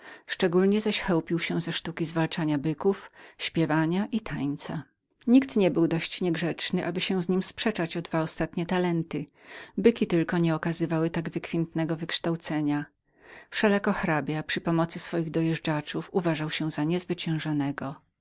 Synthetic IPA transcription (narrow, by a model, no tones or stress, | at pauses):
ʂt͡ʂɛɡulɲɛzaɕxɛwpʲiwɕɛ̃zɛʂt̪ukʲizvalt͡ʂaɲabɘkufɕpʲjɛvaɲaʔit̪ʰaɲt̪sa | ɲikt̪ɲɛbɘwd̪ɔɕt͡ɕɲɛɡʐɛt͡ʂnɘʔabɘɕɛ̃w̃zɲimspʂɛt͡ʂat͡ɕɔd̪vaɔst̪at̪ɲɛt̪alɛnt̪ɘ | bɘkʲit̪ɘlkɔɲɛɔkazɘvawɘt̪aɡvɘkfʲjɛnt̪nɛɡɔvɘkʂt̪awt̪sɛɲa | fʂɛlakɔxɾabʲjapʂɘpɔmɔt̪sɘsfɔjiɣd̪ɔjɛʐd͡ʐat͡ʂufuvaʐawɕɛ̃zaɲɛzvɘt͡ɕɛ̃w̃ʐanɛɡɔ